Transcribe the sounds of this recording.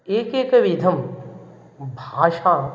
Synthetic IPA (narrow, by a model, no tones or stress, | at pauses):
eːkeːkɐʋid̪ʱɐm | bʱaːʃaː